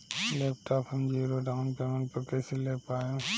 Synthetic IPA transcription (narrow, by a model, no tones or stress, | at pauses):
leːp̚ʈʰaːpɦɐmd͡ʒiːɾoɖaːʊnpeːmənpɐɾkɛːseleːpaːẽ